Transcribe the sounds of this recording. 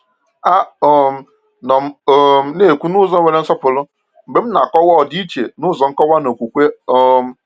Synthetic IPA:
a˦o˨m̩˦ | nɔ˨m̩˦o˦m̩˦ne˦˨kʷu˦nʊ˦zɔ˦we˨ɾe˦n̩˦sɔ˦pʊ˨lʊ˦ | m̩˨ɡ͡be˨m̩˦na̰˨kɔ˦wɔ˦˨di˦i˦t͡ʃe˨nʊ˦˨zɔ˨ŋ̩˦kɔ˦wa˦no˨kʷu˨kʷe˦ɔ˦m̩˦

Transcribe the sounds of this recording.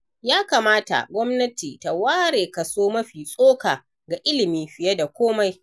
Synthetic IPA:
jaː˦kaː˨maː˦ta̰˨ɡʷɔ˦mnɐ˦tiː˨ta˨waː˦ɽeː˨kɐ˨soː˦mɐ˦ɸiː˨sʼoː˦kaː˨ | ɡa˨ʔɪ˦lɪ˨miː˦ɸɪ˨je˦da˨kʷoː˦ma˦j

